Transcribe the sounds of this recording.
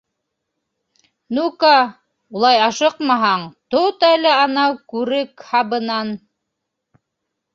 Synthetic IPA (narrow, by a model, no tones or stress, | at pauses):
nukɑ | ulˠɑjɑʃɤqmɑɦɑɴt̪ot̪ɑlæɑnɑwkʉɾɘkhɑbɤ̆nɑn